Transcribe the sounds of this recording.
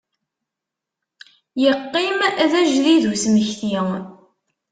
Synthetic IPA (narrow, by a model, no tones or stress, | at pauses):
jəqːimæðæʒðiðusməçθi